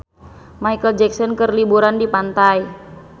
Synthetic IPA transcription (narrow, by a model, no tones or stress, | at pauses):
majkəld͡ʒɛksɔnkərlibuɾandipant̪aj